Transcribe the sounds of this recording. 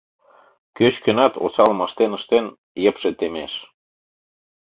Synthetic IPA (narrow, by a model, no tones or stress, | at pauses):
køt͡ɕkø̆nɑt̪o̰sɑlə̆məʃt̪enə̆ʃt̪en | jə̆pʃĕt̪emeʃ